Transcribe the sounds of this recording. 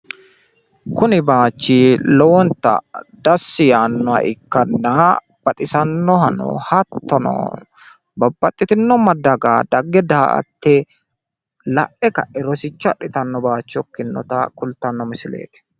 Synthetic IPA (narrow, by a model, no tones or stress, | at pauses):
kʊnɪbaːt͡ʃːiːloɔnt̪ɐ̰d̪ɐsːɪjaːnːɔɐ̰ʔɪkːɐnːaː | b̥ɐt̪ʼɪsɐnːɔhɐnɔ̰hɐt̪ːɔnɔ̰ː | bɐbːɐt̪ʼːɪt̪ɪnːɔmɐd̪ːɐɡaːd̪ɐɡːɛd̪aːʔɐ̰t̪ːe | lɐʔɛkɐɛɾɔsɪt͡ʃːʊɐᶑɪt̪ɐnːɔbaːt͡ʃːɪɔkːɪnːɔ̰t̪akʊlt̪ɐnːɔmɪsɪlḛːt̪ɛ̥